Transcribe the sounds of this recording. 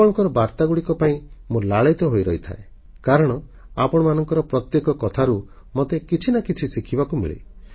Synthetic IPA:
ɔɽɔŋkɔɾɔbaɾt̪aɡuɽikɔpaĩmolaɭajt̪ɔɦojɾɔɦit̪ʰa̰e | kaɾɔɽ̃ɔ | a̰pɔɽ̃ɔmanɔŋkɔɾɔpɾɔt̪jekɔkɔt̪ʰaɾu | mot̪ekit͡ʃʰinakit͡ʃʰisikʰibakumḭɭḭ

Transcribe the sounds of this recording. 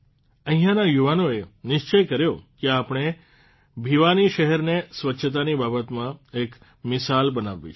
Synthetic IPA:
ə̃ɦĩjãnajuʋanoenɪʃt͡ʃəjkəɾjokeapɽ̃e | bʱiʋaniʃəɦɛɾnesʋətːʃʰət̪̬anibabət̪mãek | mɪsalbənaʋːḭt͡ʃʰ

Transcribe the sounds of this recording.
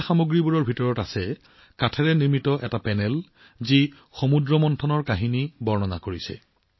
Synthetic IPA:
xamuɡɹibuɹɔɹbʱitɔɹɔtasɛ | katʰɛɹɛniɹmitɔʔɛtapɛnɛl | zi | xomudɹɔmɔntʰɔnɔɹkaɦinibɔɹnɔnakoɹisɛ̰

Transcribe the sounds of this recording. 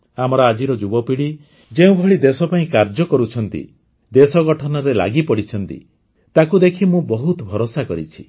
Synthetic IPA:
amɔɾɔad͡ʒiɾɔd͡ʒubɔpiɽi | d͡ʒeũbʱɔɭid̪esɔpaĩkaɾd͡ʒɔkɔɾut͡ʃʰɔnt̪ḭ | d̪esɔɡɔʈʰɔnɔɾela̰ɡipɔɽit͡ʃʰɔnt̪ḭ | t̪akud̪ekʰimũbɔɦut̪bʱɔɾosakɔɾḭt͡ʃʰi̥

